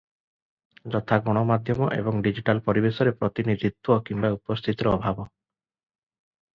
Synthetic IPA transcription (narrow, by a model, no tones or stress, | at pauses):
d͡ʒɔt̪ʰaɡɔɽ̃ɔmad̪ʱjɔmɔʔḛbɔŋɖid͡ʒiʈalpɔɾibesɔɾepɾɔt̪inid̪ʱit̪wɔkimbaupɔst̪ʰit̪ɾɔːbʱabɔ